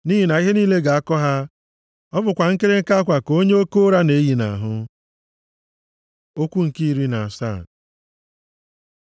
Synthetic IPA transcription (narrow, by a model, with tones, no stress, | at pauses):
ni˦ɦi˨na˨i˦ɦe˦niː˦le˦ɡa˨a˦kɔ˦ɦa˦ | ɔ˦bʊ˨kʷa˨ŋ̩˦ke˦ɾe˦ŋ̩˦ka˦a˦kʷa˨ko˦ɲe˦o˦ko˦ɾa˦ne˨˦ji˨na̰˨a˨ɦʊ˦ | o˦kʷu˦ŋ̩˨ki˦i˦ɾi˦na˨a˨sa˦˨